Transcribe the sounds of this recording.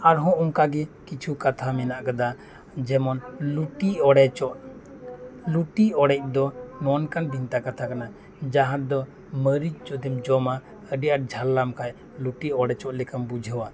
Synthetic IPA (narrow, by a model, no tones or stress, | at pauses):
aɾɦɔ̃ɔŋkaɡɛkit͡ʃʰukat̪ʰamɛnaʔkad̪a | d͡ʒɛmɔnluʈiɔɽɛt͡ʃɔʔ | luʈiɔɽɛc̚ˀd̪ɔnɔnkanbint̪akat̪ʰakana | d͡ʒaɦãd̪ɔ | məɾid͡ʒd͡ʒɔd̪ɛmd͡ʒɔma | əɖiʔaɾ̚d͡ʒʱalːamkaj | luʈiɔɽɛt͡ʃɔʔlɛkambud͡ʒʱəwa